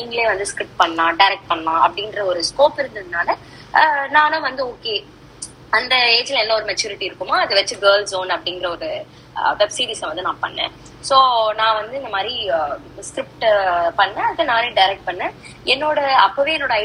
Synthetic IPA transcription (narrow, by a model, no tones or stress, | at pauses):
niːŋɡɐɭeːʋɐnd̪ɯskɾɪp̚ʈpɐɳnãːɖɐɪɾɛk̚ʈ̚pɐɳːlãːʔɐ̰pːɐɽɪnɡɪɾɐɔɾɯskoːpɪɾɯnd̪ɯðɯnaːlɐ | nãːnɐ̃ːʋɐnd̪ɯoːkeː | ɐnd̪ɐeːt͡ʃɪlɛlːɐɔɾɯmɛt͡ʃːuːɾɪʈːiɪɾɯkːɯmaːɐðɯʋɐt͡ʃːɯɡɐːlsoːnɐpːɐɽɪŋɡɪɾɐɔɾɯ | ʋɛbsiːɾiːsɐʋɐnd̪ɯnãːpɐ̰ɳːḛ̃ː | soːnãːʋɐnd̪ɯɪnd̪ɐmaːd̪ɾi | skɾɪp̚ʈpɐɳːɛ̃ɐðɯnãːnẽːɖɐɪɾɛk̚ʈ̚pɐɳːẽː | ɛnːoːɽɐɐpːoʋeːɛnːoːɽɐɐɪ